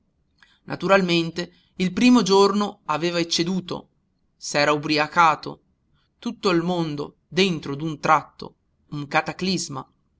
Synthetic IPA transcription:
nʔa̰t̪uɾalment̪e | ilpɾiːmod͡ʒornoaveːvaet͡ʃːed̪uːt̪o̰ | sɛːɾaubɾiakaːt̪o̰ | t̪ut̪ːoilmond̪o̰ | d̪ent̪ɾod̪unt̪ɾat̪ːo̰ | uŋkat̪aklizma

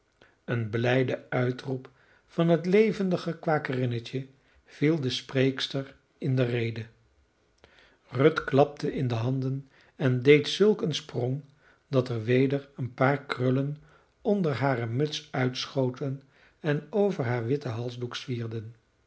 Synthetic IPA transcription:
ənblɛjdəœɥtrup | fɑnɦətlejvəndəχəkʋaːkərɪnət͡ʃə | v̥ilˠdəsprejkstəɹ | ɪndərejdə | rɵtklɑp̚tʰəʔɪndəɦɑndən | ɛndejtsɵlˠkənsprɔŋ | dɑtəɹʋejdəɹənpaːɹkrɵlən | ɔndəɹɦaːrəmɵtsœɥtsχowtən | ɛnowvəɹɦaːɹʋɪtəɦɑlˠzduksfiːɹdən

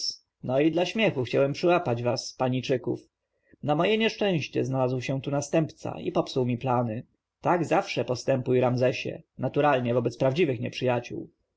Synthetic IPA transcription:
nɔid̪laɕmʲjɛxuxt͡ɕawɛmpʂɘwapad͡ʑvaspaɲit͡ʂɘkṵf | namɔjɛɲɛʂt͡ʂɛ̃w̃ɕt͡ɕɛ̰znalazwɕɛt̪unast̪ɛmpt̪sa̰ḭpɔpsuwmʲiplanɘ | t̪aɡzafʂɛpɔst̪ɛmpujɾamzɛɕɛ̰nat̪uɾalɲɛvɔbɛt̪spɾavd͡ʑivɘxɲɛpʂɘjat͡ɕṵw

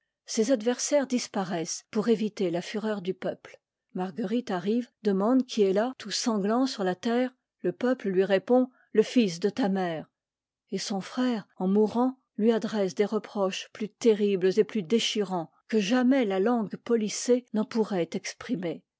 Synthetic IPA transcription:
sezad̪vɛʁsɛʁd̪ispaʁɛspuʁevit̪elafyʁœʁd̪ypœpl | maʁɡəʁit̪aʁivd̪əmɑ̃d̪kʲʰiɛlat̪usɑ̃ɡlɑ̃syʁlat̪ɛːʁ | ləpœpləlɥiʁepɔ̃ | ləfisd̪ət̪amɛːʁ | esɔ̃fχɛːʁɑ̃muʁɑ̃ | lɥiad̪ʁɛs̬d̪eʁəpχɔʃplyt̪eʁiblzeplyd̪eʃiʁɑ̃ | kəʒamɛlalɑ̃ɡpɔlisenɑ̃puʁɛt̪ɛkspχime

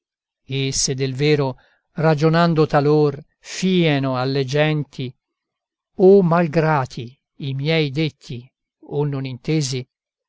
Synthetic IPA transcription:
esed̪ːelvɛːɾo | rad͡ʒonand̪ot̪alor | fiːɛnoalːed͡ʒɛnt̪ʰi | omalɡɾaːt̪ʰi | imjɛjd̪et̪ʰːi | onːonint̪eːzi

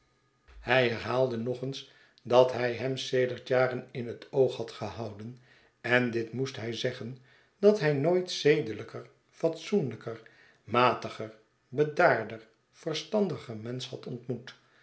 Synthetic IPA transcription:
hɛjɦɛɹɦaːlˠdənɔχəns | dɑtɦɛjɦɛmsejdəɹtjaːrənɪnɦətowχhɑtχəhɑwdən | ɛndɪtmustɦɛjzɛχən | d̥ɑtɦɛjnojtsejdələkər | fɑtsunləkər | maːtəχər | bədaːɹdər | v̥ərstɑndəχəɹmɛnshɑtɔntmut

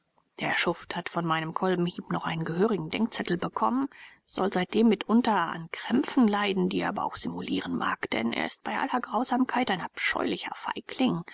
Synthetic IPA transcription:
d̥eːɐʃʊfthatfɔnmaɪnəmkʰɔlbm̩hiːpnɔχʔaɪnənɡəɦøːʁɪɡŋ̩dɛŋk̚t͡sɛtl̩bəkʰɔmənz̥ɔ̰lzaɪt̚d̥eːmːɪtʔʊntɐa̰nkʁ̥ɛmfn̩laɪdn̩dḭːʔaːbɐ̰ʔa̰ʊxz̥ɪmuliːʁənmʔa̰ːkd̥ɛ̰nʔḛːɐɪst̚b̥aɪʔa̰lɐɡʁaʊzaːmkʰaɪtaɪnapʃɔ̰ʏlɪçɐ̰fa̰ɪkʰlɪŋ

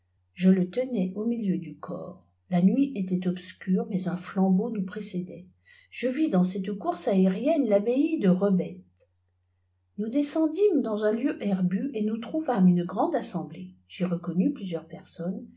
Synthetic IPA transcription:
ʒələt̪ənɛʔomiljød̪ykʰɔ̰ːʁ | lanɥiʔet̪ɛt̪ɔpskʲyʁmɛzɛ̃flɑ̃bonupχesɛd̪ɛ | ʒ̥əvid̪ɑ̃sɛt̪kuʁsaeʁjɛnlabeid̪əʁəbɛt̪ | nud̪esɑ̃d̪imd̪ɑ̃zɛ̃ljøʔɛʁbyʔenut̪χuvamynɡʁɑ̃d̪asɑ̃bleʒ̥eʁəkɔnyplyzjœʁpɛʁsɔn

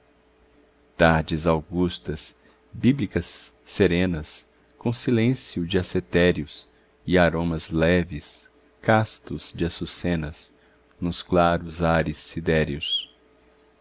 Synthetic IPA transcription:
t̪aɾd͡ʒɪzawɡust̪ɐs | biblikɐsːeɾẽnɐs | kõsilẽsiʊd͡ʒɪaset̪ɛɾjʊs | ɪaɾõmɐzlɛvɪs | kast̪ʊz̥d͡ʒɪasusẽnɐs | nʊsklaɾʊzaɾɪsːid̪ɛɾjʊs

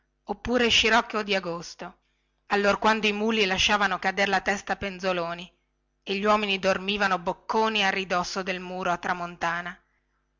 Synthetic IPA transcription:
opːuːɾeʃiɾɔkːod̪iaɡost̪o | alːorkwand̪oimuːlilaʃːaːvanokad̪eɾlat̪ɛst̪apenzoloːni | eʎːwɔːminid̪ormiːvanobokːoːniarːid̪ɔsːod̪elmuːɾoat̪ːɾamont̪aːna

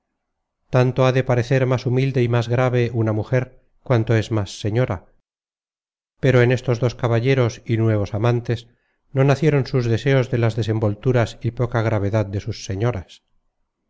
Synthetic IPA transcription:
t̪ant̪oaðe̞paɾe̞θe̞ɾmasumild̪e̞imazɣɾaβe̞ʔunamuxe̞ɾ | kwant̪o̞ezmasːe̞ɲo̞ɾa | pe̞ɾoenest̪o̞zðo̞skaβaʎe̞ɾo̞sinwe̞β̞o̞samãnt̪e̞s | no̞naθje̞ɾo̞nsuzðe̞se̞ozðe̞lazðe̞se̞mbo̞lt̪uɾasipo̞kaɣɾaβ̞e̞ðað̚d̪e̞susːe̞ɲo̞ɾas

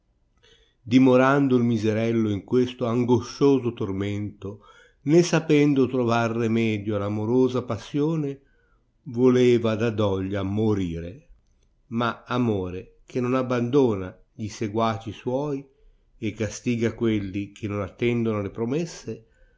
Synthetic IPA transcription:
d̪imoɾand̪oilmizeɾɛlːoiŋkwest̪oaŋɡoʃoːzot̪ormɛnt̪o | nesapɛnd̪ot̪ɾovarːemɛːd̪joalamoɾoːzapasːjoːne | voleːvad̪ad̪ɔʎːamoɾiːɾe | maamoːɾek̟ʰenonabːand̪oːna | ʎiseɡwaːt͡ʃiswɔːj | ekːast̪iːɡakwelːikʰenːonat̪ːɛnd̪onoalepɾomɛsːe

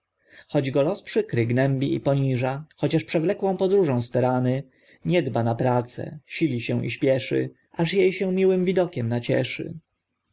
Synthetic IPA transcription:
xɔd͡ʑɡɔlɔspʂɘkɾɘɡnɛmbʲiḭpɔɲiʐaxɔt͡ɕaʂpʂɛvlɛkwɔ̃w̃pɔd̪ɾuʐɔ̃w̃st̪ɛɾanɘ | ɲɛd̪banapɾat̪sɛ̰ɕilʲiɕɛ̃w̃ʔḭɕpʲjɛʂɘ̰ | ʔaʂjejɕɛ̃mʲiwɘmvʲid̪ɔkʲɛmnat͡ɕɛ̰ʂɘ̰

